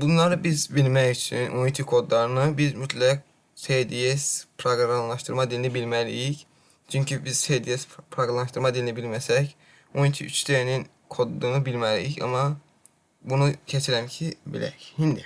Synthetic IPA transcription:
bunlˠɑɾɯbizbilmæjyt͡ʃʰinʔojit̪ʰikʰo̞d̪lˠɑɾɯnɯbizmyt̪ʰlæɡ | sejd̪ijespʰɾoɡɾɾamlˠɑʃt̪ʰɯɾmɑd̪ilʲinibilmælḭjic | t͡ʃʰyɲcʰybiz̥sejd̪ijespʰɾoɡalmɑnʃt̪ɯɾmɑd̪ilʲinibilmæsɛc | ojint̪ʰḭʔy̰t͡ʃʰt̪enin | kʰo̞d̪ːˠuːnɯbilmælijicɑ̰mɑ | bunucʰet͡ʃʰiɾæncʰibḭlæ̰chind̪i

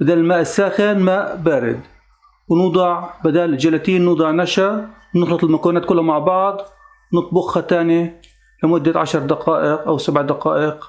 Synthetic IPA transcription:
bɪd̪aːlɪlmaːʔɪsːaːxɪnmaːʔbaːɾɪ̰d̪ | wnuːd̪ˤɑʕbɪd̪aːld͡ʒalat̪iːnːuːd̪ˤɑʕnaʃawnɪxlɑt̪ˤɪlmakaːnaːt̪kʊlːhamaʕbɑʕd̪ˤ | wnɨt̪ˤbʊxhat̪aːni | lamʊd̪ːaʕaʃɑɾˤd̪aqɑːʔɪqʔawsabʕd̪aqɑːʔɪq

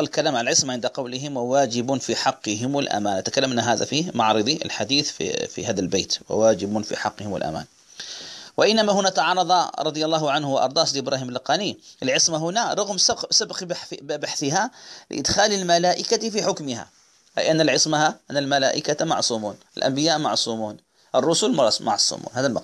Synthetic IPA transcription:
lkalaːmʕalalʕɪsmaʕɪnd̪aqɑwlɪɦɪmwawaːd͡ʒɪbʊfiħɑqːɨɦɪmɪlʔa̰maːnʔat̪ḁkalːamʔnːaɦaːða̰fimɑʕɾˤɨðˤiɪ̰lħad̪iːθffḭhaːðalbḛːt̪wɪ̰waːd͡ʒɪbʊnfḭħɑqːɪhɪmɪ̰lʔa̰ma̰ːn | wɪʔɪnːamaɦʊnat̪ɑʕɑɾˤɑðˤɑɾˤɑd̪ˤɨjɑlːɑːɦʊʕanhʊwaʔɑ̰ɾˤd̪ˤɑːsd̪ʔɪbɾʔaːhiːmlːɪqɑːniʔɪlʕɪsmaɦʊnaɾˤɑɣmssabqbaħθɪɦalɪ̰ʔɪ̰d̪xaːlɪlmalaːʔɪkat̪fiħʊkmɪha̰ | ʔa̰jʔanːalʕɪsˤmahaʔanːalmalaːʔɪkamɑ̰ʕsˤuːmuːnɪlʔa̰mbɪjaːʔmɑʕsˤuːmuːn | ʔɑrˤːʊsʊlmmɑ̰ʕsˤṵːmṵːnhaːðalmɑ

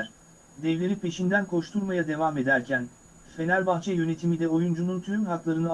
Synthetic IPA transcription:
ɾ̥ | d̪ɛvlʲeɾipʰe̞ʃind̪ænkʰo̞ʃt̪ʰuɾmajad̪e̞vame̞d̪æɾcʰæn | fe̞næɾʲbaxt͡ʃʰɛjø̞ne̞t̪ʰimid̪ɛo̞jund͡ʒununt̪ʰyymɦaklˠaɾɯnɯ

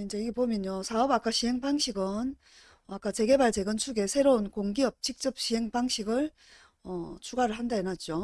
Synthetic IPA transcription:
ind͡ʑe̞iɡe̞pomjʌɲosʰaʌbak͈aɕʰiɦe̞ŋpaŋɕʰiɡɯn | ʌak͈at͡ɕe̞ɡe̞baɭt͡ɕe̞ɡɯnt͡ɕʰuɡe̞sʰe̞ɾounkoŋɡiʌp̚t͡ɕ͈ik̚t͡ɕ͈ʌp̚ɕ͈iɦe̞ŋpaŋɕʰiɡɯɭ | ʌt͡ɕʰuɡaɾɯɭɦandaenat̚t͡ɕ͈o

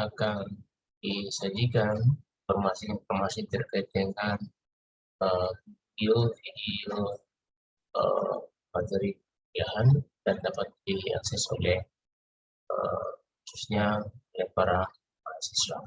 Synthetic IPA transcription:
akan | disad͡ʒikan | fɔrmasɪnfɔrmasɪt̪ərkajt̪̚d̪əŋan | ə | iofidio | ə̰ | mad͡ʒaɾi | iaɦandandapat̪̚dia̰ksɛso̰lɛh | ə̰hususɲaolɛhpaɾa | mansɛsa̰

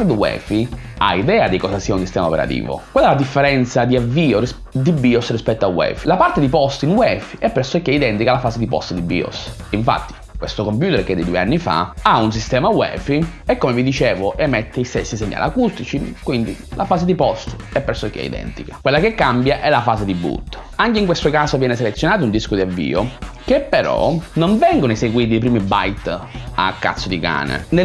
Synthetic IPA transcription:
ɾd̪wɛ̰ːfi | a̰id̪ɛːad̪ikɔzasiːaunsist̪ɛːmao̰pɛɾa̰t̪ḭːvo̰kwɛlːɛlad̪ifːeɾɛnt̪sad̪iavːiːori | d̪ibiosrispɛt̪ːoawɛ̰ːfilapart̪ed̪ipɔst̪inwɛfiɛpːɾeɾsokːeid̪ɛnt̪ikalafaːzed̪ipɔ̰st̪d̪ibːḭːo̰s | iɱfa̰t̪ːi̥ | kwest̪okomp̬juːt̪ɛɾked̪ed̪ueanːifa̰auns̬ist̪ɛːmawɛ̰ːfiekːomevid̪it͡ʃeːvoʔemːet̪ʰːeist̪esːiseɲːa̰la̰kust̪it͡ʃikwind̪ḭ | lafaːszed̪ipɔst̪ɛpːeɾsok̟ɛ̰ḭd̪ɛ̰nt̪ikḁkwelːakekːambjaʔɛlafaːsed̪ibṵt̪ː | aŋkeiŋkwest̪okaːsovjɛːneselet̪sjonaːt̪ound̪iskod̪iavːḭːok̟epːeɾɔ̰noɱvɛŋɡonoeseɡwiːt̪̬iːp̬ɾiːmibajt̪a̰kːa̰t̪sːod̪ika̰ːnḛne

